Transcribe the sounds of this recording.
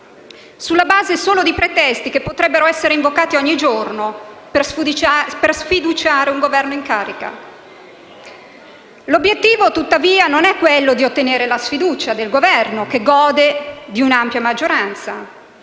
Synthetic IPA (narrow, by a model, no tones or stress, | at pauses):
sulːabaːzesoːlod̪ipɾet̪ɛst̪ikepːot̪ɾɛbːeɾoɛsːeɾeiɱvokaːt̪iɔɲːid͡ʒornopspersfid̪ut͡ʃaːɾeuŋɡovɛrnoiŋkaːɾika̰ | lobːjet̪ːiːvot̪ut̪ːaviːanonɛkːwelːod̪iot̪ːeneːɾelasfid̪uːt͡ʃad̪elɡovɛrnokeɡɔːd̪ed̪iunampjamad͡ʒːoɾant̪sa̰